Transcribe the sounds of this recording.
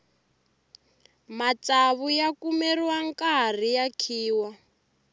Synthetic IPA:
mat͡saβujakumɛriwaŋkar̤ijakʰiːwa

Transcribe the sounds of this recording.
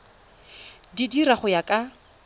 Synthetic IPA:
didiɾaχʊjakʼa

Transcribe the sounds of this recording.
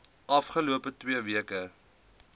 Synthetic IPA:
ɐfχəluəpətwiəviəkə

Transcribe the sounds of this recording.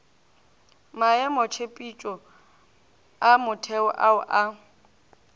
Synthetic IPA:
maɛmot͡ʃʰepʼit͡ʃʼɔ | amʊtʰɛʊʔaʊʔa

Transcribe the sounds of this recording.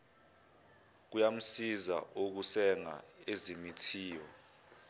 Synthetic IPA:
k̬ujam̩siza̰ok̬usɛŋa̰ezimitʰiːwɔ

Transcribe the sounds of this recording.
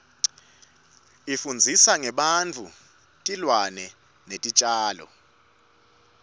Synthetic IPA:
ifund͡zʱisaŋɛɓant͡fʰu | tʼilwanɛ | netʼit͡ʃʼaːlɔ̰

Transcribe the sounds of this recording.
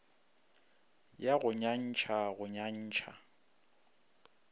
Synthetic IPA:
jaɣʊɲan̩t͡ʃʰaɣʊɲan̩ːt͡ʃʰa

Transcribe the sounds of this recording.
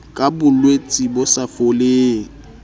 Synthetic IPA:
kʼabʊlwet͡sʼibʊsafoleːŋ̩

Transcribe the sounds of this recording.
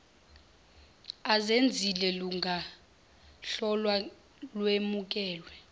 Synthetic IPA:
azend͡zʱilɛluŋʱa | ɬɔlwa | lwemuk̬ʼɛːlwɛ

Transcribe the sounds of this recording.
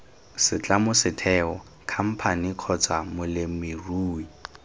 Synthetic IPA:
sɪt͡ɬʼamʊsɪtʰɛːɔ | kʰam̩pʰaniq͡χʰɔt͡samʊlɪmɪruːi

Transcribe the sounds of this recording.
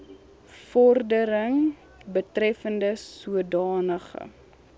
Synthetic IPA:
fɔrdəɾəŋ | bətrɛfəndəsuədɑːnəχə̰

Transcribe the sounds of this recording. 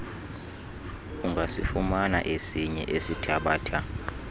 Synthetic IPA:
uŋɡʱasifumana̰ʔesiɲɛ̰ʔesitʰaɓaːtʰa

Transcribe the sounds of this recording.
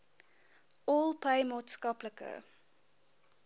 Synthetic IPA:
ɔːlˠpʰeɪmɔtskɑpləkʰə̰

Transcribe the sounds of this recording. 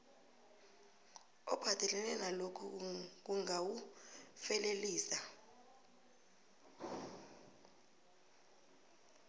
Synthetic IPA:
ɔ̰b̥ʱad̥ʱɛlɛlɛnalokʰuk̬uŋawufɛleliːsa

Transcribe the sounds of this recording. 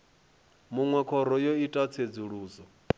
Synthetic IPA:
muŋwɛkʰɔɾɔjoitʼat͡sʰed͡zuɺuːzɔ

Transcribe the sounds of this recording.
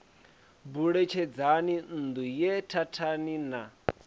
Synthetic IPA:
buɺɛt͡ʃʰɛd͡zanin̩d̪ujɛtʰatʰanina

